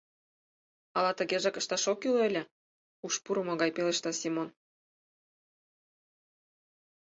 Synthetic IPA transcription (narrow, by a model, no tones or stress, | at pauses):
ɑlɑt̪ə̆ɣeʒekə̆ʃt̪ɑʃokylelʲĕ | uʃpuɾɤ̆moɣɑjpelĕʃt̪ɑsimon